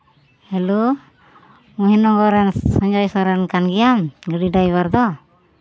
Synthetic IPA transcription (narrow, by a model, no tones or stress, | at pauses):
hɛlu | uɦinɔɡɔɾɛnsɔɲd͡ʒajsɔɾɛnkanɡijamɡəɽiɖajbaɾd̪ɔ